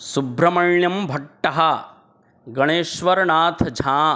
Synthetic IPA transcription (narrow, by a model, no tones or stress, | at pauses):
subɾɐmɐjɳjɐmbʱɐʈːɐɦɐ | ɡɐɳeːʃʋɐɾɳaːt̪ʰd͡ʒʱaː